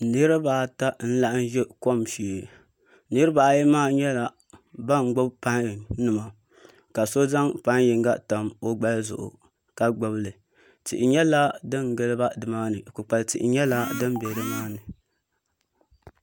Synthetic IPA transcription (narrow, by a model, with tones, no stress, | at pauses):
nɨ˦ɾɨ˦ba˨ta˦n̩˦la˦ʔn̩˦ʒɛ˦ko˦mʃi˨ | nɨ˦ɾɨ˦ba˨ji˦maː˦˨ɲɛ˦la˨ | ba˦ŋ˨˦ɡ͡bʊ˦bpa˦n˨nɨ˨ma˨ | ka˨so˦za˦ŋpa˦nji˨ŋɡa˦ta˨mo˦ɡ͡ba˦lzʊ̰˨ʔʊ̰˨ | ka˨ɡ͡ba˨blɨ˨ | tḭ˨ʔɪ˨ɲɛ˦la˦dɨ˦nɡɨ˦lɨ˦ba˦dɨ˨maː˦nɨ˨ku˨k͡pa˨ltḭ˨ʔɪ̰˨ɲɛ˦la˦dɨ˦n˦bɛ˨ɾɨ˦maː˦nɨ˨